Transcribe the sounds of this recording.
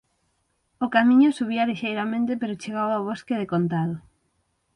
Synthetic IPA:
ʊkamĩɲʊsuβ̞ialiʃejɾamẽnt̪epeɾʊt͡ʃeɣawawβoskeðekont̪aðʊ

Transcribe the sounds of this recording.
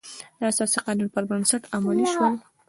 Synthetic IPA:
d̪̥əasɑsiqɑnunpəɾbənsaʈamɑniʃwəl

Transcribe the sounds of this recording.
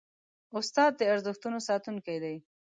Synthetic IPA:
ʊst̪ɑd̪̚ːəaɾzəxt̪unosɑt̪unkajd̪aj

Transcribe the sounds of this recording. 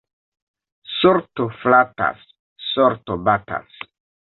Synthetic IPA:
soɾtoflata̰sː | ɔɾtobata̰s

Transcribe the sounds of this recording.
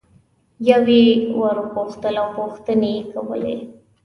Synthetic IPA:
jawewəɾpoxt̪əlawpoxt̪ənekawə̰lḛ

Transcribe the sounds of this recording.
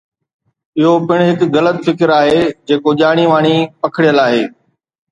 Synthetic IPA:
ɪɦopɪɽ̃ɦɪkɣɐlət̪fɪkɪɾaːɦeːd͡ʑeːkoʄaːɽ̃iʋaːɽ̃ipɐkʰɪɽijəlaːɦeː

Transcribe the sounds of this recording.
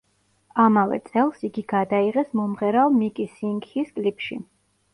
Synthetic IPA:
amavɛ̰t̪sʼɛlˠsiɡiɡad̪aiʁɛsmɔmʁɛɾalˠmikʼisiŋɡiskʼlipʰʃḭ

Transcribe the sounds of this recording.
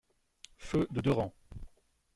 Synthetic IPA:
fød̪əd̪øʁɑ̃

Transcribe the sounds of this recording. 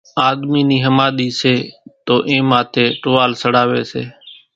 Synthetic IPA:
aːd̪miːniːɦəmaːɗ̪iːseːt̪oːʔẽːmaːt̪ʰeːʈʊːʋaːlsəɽ̤aːʋḛːsḛː

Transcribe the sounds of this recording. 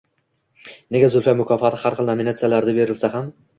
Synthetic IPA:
neɡʲazʊlfamʊkʰɒfat̪ʰɪhaɾχɨlˠnaminat̪sɨɪjalaɾd̪abe̞ɾɪlsaɦam

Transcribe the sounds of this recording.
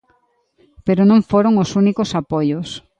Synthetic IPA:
peɾonõŋfoɾoŋosunikosapojos

